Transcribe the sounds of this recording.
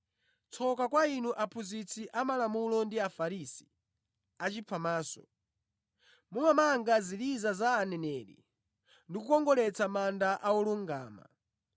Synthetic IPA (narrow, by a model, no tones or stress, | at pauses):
t͡sʰɔkakwainuʔapʰuzit͡sʰiʔamalamulɔndiafaɾisi̥ | at͡ʃipfʰamaːsɔ̰ | mumamaŋɡazilizazaːnɛnɛɾḭ | ndikukɔŋɡɔlɛt͡samandaʔaɔluŋɡaːma̰